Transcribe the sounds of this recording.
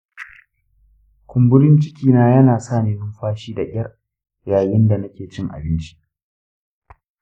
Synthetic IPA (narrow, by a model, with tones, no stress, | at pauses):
kʷʰʊ˨mbʊ˦ɽɪ˦nt͡ʃɪ˦kʲiː˨naː˦jɐ˦naː˨saː˦˨neː˦nʊ˦mɸaː˦ʃiː˦da˨ʔʲɪ̰˦ɐ˦r | jaː˨jɪ˦nda˨nɐ˦kʲeː˨t͡ʃɪ˦ŋʔa̰˨bɪ˦nt͡ʃi̥˦ʔ